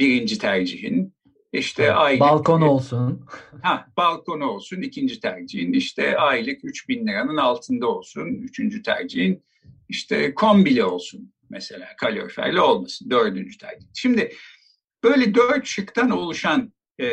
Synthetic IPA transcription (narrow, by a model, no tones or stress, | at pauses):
b̥iɾind͡ʒit̪ʰæɾd͡ʒiɦin | iʃt̪ʰɛʔajbalˠkʰonolˠsunhabalˠkʰo̞no̞lˠsunicʰind͡ʒit̪ʰæɾd͡ʒihiniʃt̪ʰɛ̰ajlˠɯkyt͡ʃbinlʲiɾanɯnalˠt̪ʰɯnd̪ao̞lˠsunyt͡ʃʰynd͡ʒyt̪ʰæ̰ɾd͡ʒiɦin | iʃt̪ʰɛ̰kʰo̞mbilʲio̞lˠsun | mese̞lʲa̰ːkʰalʲo̰ɾfæ̰ɾlʲio̞lˠmasɯnd̪ø̞ɾd̪ynd͡ʒyt̪ʰæ̰ɾd͡ʒihʃimd̪ɪ | b̥øjlʲɛd̪øɾt̪ʃɯkt̪ʰanolˠuʃan